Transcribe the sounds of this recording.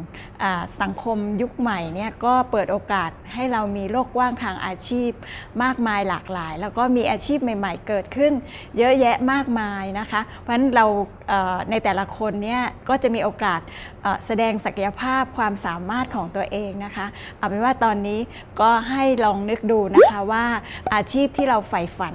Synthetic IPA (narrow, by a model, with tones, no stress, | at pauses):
ʔaː˨˩sa˨˩˦ŋkʰo˧mju˦˥k̚ma˨˩jni˥˩ɐkɔː˥˩pɤː˨˩t̪̚ʔoː˧kaː˨˩t̪̚ha˥˩jɾa˧wmiː˧loː˥˩k̚waː˥˩ŋt̪ʰaː˧ŋʔa̰ː˧t͡ɕʰiː˥˩p̚maː˥˩k̚maː˧jlaː˨˩k̚laː˩˦jlɛː˦˥wkɔː˥˩miː˧ʔaː˧t͡ɕʰiː˥˩p̚ma˨˩jma˨˩jkɤː˨˩t̪̚kʰɯ˥˩n | jɤ˦˥ʔjɛ˦˥ʔmaː˥˩k̚maaː˧jna˦˥kʰa˦˥ʔpwʰa˦˥nɾa˧w | ʔɤː˨˩na˧jt̪ɛː˨˩la˦˥kʰo˧nːi˦˥˩ɐkɔː˥˩t͡ɕa˨˩ʔmiː˧ʔoː˧kaː˨˩t̪̚ʔɤː˨˩sa˧dɛː˧ŋsa˨˩kʰa˧ja˧pʰaː˥˩p̚kʰwaː˧msaː˩˦maː˥˩t̪̚kʰɔː˩˦ŋt̪u˧ɐʔeː˧ŋna˦˥kʰa˦˥ | ʔa˨˩pa˧nwaː˥˩t̪ɔː˧nːiː˦˥ | kɔː˥˩ɦa˥˩jlɔː˧ŋnɯ˦˥k̚duː˧na˦˥kʰa˦˥waː˥˩ʔaː˧t͡ɕʰiː˥˩p̚t̪ʰiː˥˩ɾa˧wfa˧jfa˨˦n